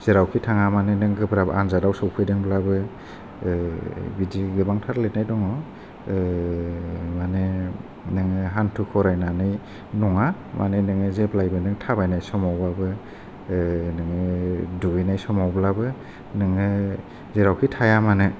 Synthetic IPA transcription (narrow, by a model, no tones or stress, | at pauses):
z̥eɾawkʰitʰaŋamanɯnɯŋɡɯbɾabɯanzadawsɔwpʰɯjdɯŋblabɯ | bidiɡɯbaŋtʰaɾlet̚najdɔŋɔ | mane | nɯŋɯɦantʰukʰɔɾajnanɯj | nɔŋa | mʔa̰nenɯŋɯzeblajbɯnɯŋtʰabajnajsɔmawbabɯ | nɯŋɯɯduinajsɔmawblabɯ | nɯŋɯ | zeɾawkʰitʰajamanɯ